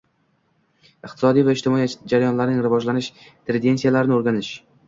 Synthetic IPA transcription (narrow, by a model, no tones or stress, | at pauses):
ɪqt̪ʰɪ̥sɒd̪ijvaɪʃt̪ʰɪmɒid͡ʒaɾajɒnlaɾnɪŋɾɪvɒd͡ʒlanɪʃ | t̪ʰɾɪd̪e̞nsijalaɾɪnɪoɾɡʲanɪʃ